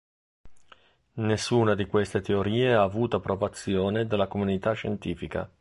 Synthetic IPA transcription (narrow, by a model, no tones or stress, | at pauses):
nesːuːnad̪ikwest̪et̪eoɾiːeaːvuːt̪oapːɾovat̪sːjoːned̪elːakomunit̪at͡ʃːent̪iːfika̰